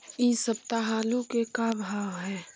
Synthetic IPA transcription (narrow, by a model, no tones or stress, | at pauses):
isɐb̚t̪aɦaːlukekabʱaːwɦɛː